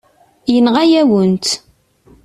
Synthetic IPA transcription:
jənʁæjæwənt̪

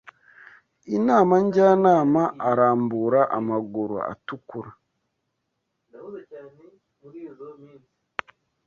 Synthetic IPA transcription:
inaːmaɲɟaːnaːmaʔːɾaːmbuɾaʔamaɡuɾo̰a̰tukuɾa | n

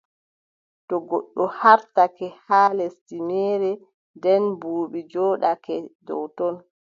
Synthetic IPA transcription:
tɔɡɔ̰ɗːɔhaɾtakɛhaːlɛstimɛːɾɛ | dɛnbuːɓid͡ʒɔːɗakɛdɔ̰wtɔn

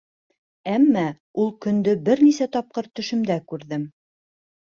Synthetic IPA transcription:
æmːæ | ulˠkɵ̆nd̪ɵbɘɾnisæt̪ɒp̚qɤɾt̪ɵ̆ʃɘ̆md̪ækʉɾðɘm

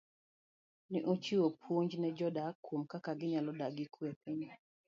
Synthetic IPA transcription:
nɪʔot͡ʃiwopʰwoɲd͡ʒnɛd͡ʒɔdakwomkakaɡɪɲalɔdaɡɪkwepʰɪɲ

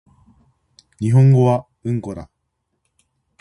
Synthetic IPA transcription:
ɲ̟iɦõ̞ŋɡo̞βa | ɯ̟̃ŋko̞ɾa̰

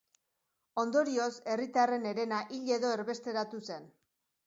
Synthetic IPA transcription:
o̞nd̪o̞ɾiose̞rit̪are̞ne̞ɾe̞naʔiʎe̞ðo̞eɾβe̞st̪e̞ɾat̪use̞n

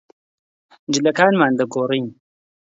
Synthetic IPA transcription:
d͡ʒɪlɐkaːnmaːnd̪ɐɡoːriːn

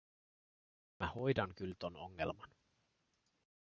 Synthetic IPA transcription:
mæho̞jdɑŋkylt̪ono̞̰ŋːe̞̰lmɑn

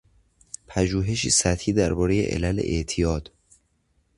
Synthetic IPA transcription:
pʰæʒuːɦe̞ʃiːsæt̪hiːd̪æɾbɒːɾe̞jḛʔḛlælḛʔḛʔt̪ʰijɒːd̪̥

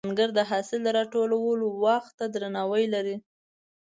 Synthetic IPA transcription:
ŋɡəɾd̪əɦɑsɪld̪əɾɑʈolawəlowaxt̪ːad̪ɾanɑwəjlaɾi

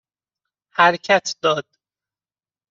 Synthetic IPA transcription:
hæɾcʰæt̪ʰd̪ɒːd̪̥̚

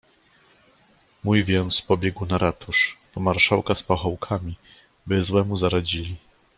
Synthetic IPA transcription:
mujvʲjɛnt̪spɔbʲjɛɡwnaɾat̪uʂ | ɔmaɾʂawkaspaxɔwkʰamʲi | bɘzwɛmuzaɾad͡ʑilʲi

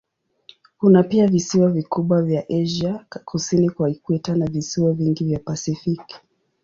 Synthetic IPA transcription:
kunapiavisiwavikuɓwavjaʔɛʒakʰusinikwaikwɛtanavisiwaviŋɡivjapasifik

